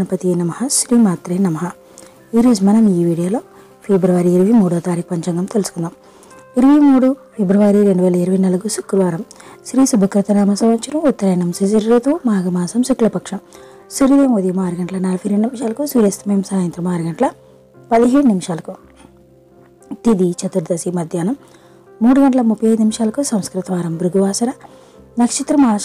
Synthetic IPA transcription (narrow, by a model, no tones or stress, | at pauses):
ɐnɐpɐt̪inɐmɐhɐʃɾiːmaːt̪ɾenɐmɐɦɐ | iːɾoːzumɐnɐmiːʋiːɽijoːloː | pʰebɾuʋɐɾiːɾɐʋɐjmuːɽoːt̪aːɾiːkɐpɐɲt͡ʃɐŋɡɐmt̪elusu̥kund̪aːm | iɾɐʋɐjmuːɽupʰebɾuʋaɾiɾeɳɖuʋɛːlɐiɾɐʋɐjnɐluɡusukːɾuʋaːɾɐmʃɾiːsubʱɐkɾit̪ɐnaːmɐsɐʋɐɲt͡ʃɐɾɐut̪ːɐɾɐjnɐmsizɐɾɾet̪umaːɡɐmaːsɐmsikːulɐpɐkʂɐm | suɾid̪eːmod̪ɐjɐmaːɾuɡɐɳʈlɐnaːlɐkiɾinimʃaːlɐkusuɾest̪ɐmeːmsaːjɐnt̪ɾɐmaːɾuɡɐɳʈɐlɐ | pɐd̪iɦiːɽunimʂaːlɐku | t̪id̪it͡ʃɐt̪uɾd̪ɐsimɐd̪ʱjaːnɐmː | uːɽuɡɐɳʈɐlɐmupːɐjɐjd̪inimʂaːlɐkusɐwskɾit̪ɐʋaːɾɐmbɾuɡuʋaːsɐɾɐ | nɐkʂit̪ɾɐmaː